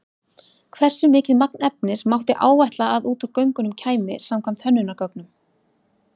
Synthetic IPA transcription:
kʰvɛr̥sʏmɪːcɪðmaknɛp̚nɪsmawht̪ɪʔa̰ːwvɛjht̪laːðuːt̪uɾkœɥŋkʏnʏmcʰaːjmɪsamkʰvam̥t̪hœnːʏnːakœknʏm

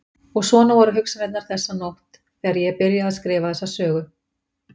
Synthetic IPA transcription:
ɔɣsvɔːnavaɾʏɦʏksanɛt̪naɾ̥θɛsːanɔht̪ | θɛɣaɾjɛpɪɾjaaðskɾɪːvaθɛsːasœːɣʏ

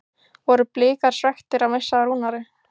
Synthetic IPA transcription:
vɔɾʏplɪːkaɾ̥svɛxt̪ɪɾawmejsaɾuːnaɾɪ

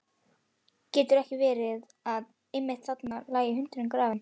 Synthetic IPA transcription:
cɛːt̪ʏɾɛhcɪvɛːɾɪð | að | ɪjmːɪht̪θat̪naɾlaːjɪɦʏnt̪ʏɾɪnkɾaːvɪn

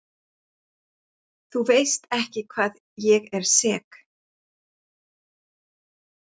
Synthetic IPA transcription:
θuveːjst̪ɛhcɪkʰv̥aːð | jɛɣɛɾ̥sɛːk

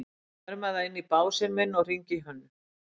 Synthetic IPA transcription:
ɾmaðaɪnːipaːwsɛɾmɛnːɔr̥iɲcɪɦœnːʏ

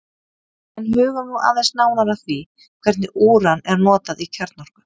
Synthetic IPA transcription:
ɛnɦʏːɣʏɾnuʔa̰ːðejsnaːwnaɾaθvi | kʰvɛɾ̥t̪̚nɪʔuːɾanɛɾnɔːt̪aðicʰœɾt̪̚nɔɾ̥kḁ

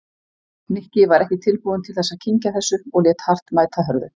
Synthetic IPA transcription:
nɪhcɪvaɾɛhcɪt̪ʰɪlpuːðʏnt̪ʰɪlθɛsːaðcʰiɲcaθɛsːʏɔɣlɛːt̪har̥t̪maːjt̪ʰaɦœɾðʏ

